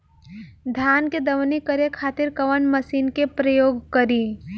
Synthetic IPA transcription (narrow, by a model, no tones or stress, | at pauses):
d̪ʱjaːnked̪ɐʋnikəɾekʰaːt̪ɪɾkɐʋənməsiːnkepɾəjoːɡkəɾiː